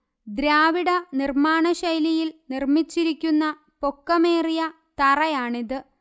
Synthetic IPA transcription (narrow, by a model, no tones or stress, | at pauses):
d̪ɾaːʋiɽɐnirmaːɳɐɕɐjlijilnirmit͡ɕːiɾikʲːunːɐ | po̞kːɐmeːrijɐ | t̪ɐrɐjaːɳiðɨ